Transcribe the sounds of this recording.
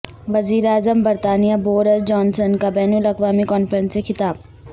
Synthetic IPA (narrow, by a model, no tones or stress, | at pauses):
ʋɐziːɾeaːzəmbɐɾt̪aːnijaboːɾəsd͡ʒɔːnsənkabɛːnulɐkʋaːmikɔːnfəɾə̃nsexɪt̪aːb̚